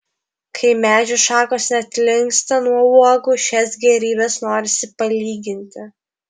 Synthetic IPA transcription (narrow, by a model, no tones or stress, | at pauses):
kʰɐɪmʲæːd͡ʒʲʊʃɑːkoːsnʲɛɐt̪ʲlʲɪŋkst̪ɐnuɔuɔɡʊʃʲɛsɡʲɛɾʲiːbʲɛsnoːɾʲɪsʲɪpɐlʲiːɡʲɪnʲt̪ʲɪ